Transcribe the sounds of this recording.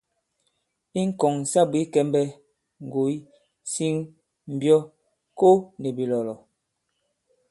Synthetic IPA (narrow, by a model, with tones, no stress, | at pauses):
i˦ŋ̩˦kɔ˨ŋ̩˨sa˦bwi˨˦kɛ˦mbɛ˦ | ŋ̩˨ɡo˨i˦ | si˦ŋ | m̩˨bjɔ˦ | ko˦ne˨bi˨lɔ˨lɔ˨